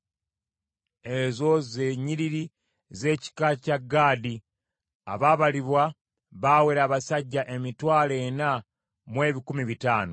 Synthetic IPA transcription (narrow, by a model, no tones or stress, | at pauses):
ezo̞zeːɲiɾiɾi | ze̞ːci̥kacaɡːaːdi | a̰βaːβaliβwa | βaːweɾaːβasaɟːaʔe̞mitwaːlena | mwe̞ːβikumiβitaːno